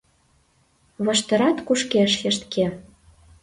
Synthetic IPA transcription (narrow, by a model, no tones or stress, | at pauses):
βɤ̆ʃt̪ɤ̆ɾɑt̪kuʃkeʃjɘ̆ʃt̪ke